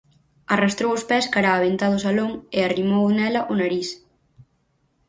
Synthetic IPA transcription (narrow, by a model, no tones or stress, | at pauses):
arast̪ɾowʊspɛskaɾaːβent̪aðʊsaloŋɪarimownɛlɐʔʊnaɾis